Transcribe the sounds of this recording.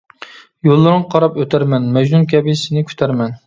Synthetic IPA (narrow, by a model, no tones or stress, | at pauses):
jolˠːɨɾɨŋqʰɑɾɑpøt̪ʰæɾmɛnmɛd͡ʒnunkʲʰɛbisɪnɪkʲʰy̥t̪ʰæɾmɛn